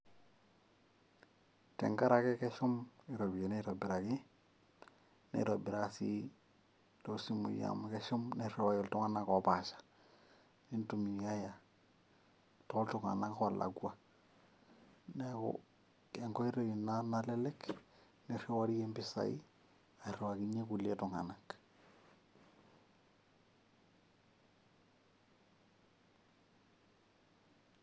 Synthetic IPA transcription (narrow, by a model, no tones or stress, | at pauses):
tḛŋɡaɾakekeʃumiɾobijeneɾobiɾaki | nḛɾobiɾasḭ | tosimṵja̰mkeʃumnerewajoltuŋanakopaʃḁ | nintumijaja | toltuŋa̰nakolʔa̰ɡua | nɛkɔ̰ | kɛŋɡɔiɾeinanalɛlɛk | nɛrewaɾijembɪsa̰ḭ | airewakiɲekuletʊŋanak